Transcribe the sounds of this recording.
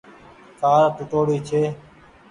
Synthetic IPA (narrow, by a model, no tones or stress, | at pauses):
kaːɾʈʊʈoːɽiːt͡ʃʰeː